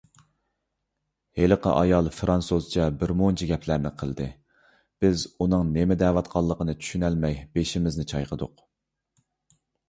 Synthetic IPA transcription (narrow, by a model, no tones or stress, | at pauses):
heləqʰə̰ʔɑjɑlˠfɾɑnsozt͡ʃʰɛbɪɾmont͡ʃʰiɡʲɛpʰlæɾnɪqʰəlˠd̪ɨ | b̥ɪzunɨŋnemɪd̪ɛːvɑt̪qʰɑlˠːəqənɨt͡ʃʰy̥ʃynælmɛjb̥eʃɪmɪznɪt͡ʃʰɑjqʰəd̪ʊq